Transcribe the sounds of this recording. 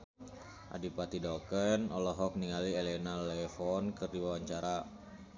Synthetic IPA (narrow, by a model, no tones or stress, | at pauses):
ʔa̰dipat̪idɔkənɔlɔɦɔk̚niŋalielɛnalɛfɔnkɨrdiwawaɲt͡ʃaɾa